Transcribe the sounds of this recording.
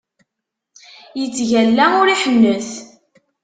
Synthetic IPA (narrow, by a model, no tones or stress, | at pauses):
jət͡sːʝælːæʊɾiħənːəθ